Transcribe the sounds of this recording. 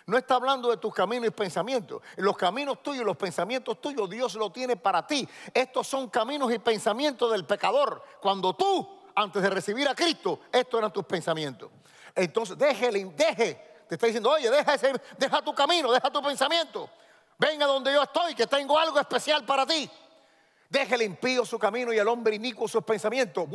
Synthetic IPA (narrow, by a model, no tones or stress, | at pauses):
noe̞st̪aːβland̪oðe̞t̪uskamĩnosipe̞nsamjẽ̞nt̪olo̞skamĩno̞st̪uʝolo̞spe̞nsamjent̪o̞st̪uʝo̞zðjo̞s̬lo̞t̪je̞ne̞paɾat̪ie̞st̪o̞sːo̞ŋkamĩnosipe̞nsamjent̪oðe̞lpe̞kaðo̞ɾkwand̪o̞t̪u | ant̪e̞zðere̞siβiɾakɾist̪o̞e̞st̪ose̞ɾant̪uspe̞nsamj̃ẽ̞nt̪o̞̰s | ent̪o̞ns̬ezðe̞helimd̪eɦe | t̪est̪aðisjend̪ooʝeðe̞ɦaesed̪e̞ɦat̪ukamĩnoðe̞hat̪upe̞nsamjẽ̞nt̪o | be̞ŋaðo̞nd̪e̞ʝo̞est̪o̞jke̞t̪e̞ŋɡo̞alɣoe̞spe̞sjalpaɾat̪i | d̪e̞xelimpio̞sukamĩnojelõ̞mbɾeinikwosuspe̞nsamjẽ̞nt̪os